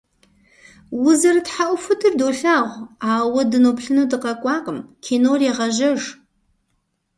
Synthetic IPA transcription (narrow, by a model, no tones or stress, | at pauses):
wʊzɐrɨtħaʔʷʊfʊtʰɨrdoːɬaːʁʷaːwɐdɨnoːpɬɨnudɨqɐkʷʼɑːqʼəmkʲʰeːnoːreːʁɐʒɐʒ